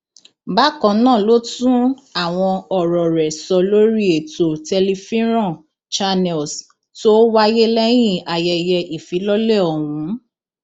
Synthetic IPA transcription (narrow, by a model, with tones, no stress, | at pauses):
ba˦kɔ̃˧˨nãː˦˨lo˦tũ˦a˦˨w̃ɔ̃˧ɔ˨ɾɔ˨ɾɛ˨sɔ˧lo˦ɾi˦e˨to˨tɛ˧li˧fĩ˦ɾ̃ɔ̃˦˨ | t͡ʃa˧nɛ˨ls | to˦wa˦je˦lɛ˦j̃ĩ˦˨a˨jɛ˧jɛ˧ʔi˨fi˨˦lɔ˦lɛ˦˨ɔ˨hũ˨˦